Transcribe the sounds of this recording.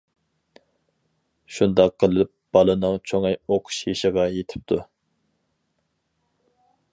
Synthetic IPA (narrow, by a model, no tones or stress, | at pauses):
ʃund̪ɑqːəlˠɨɪp̚b̥ɑlˠɨnɨŋt͡ʃʰoŋɛjoqʰʊ̥ʃjeʃəʁɑjet̪ʰɪ̥p̚t̪ʰu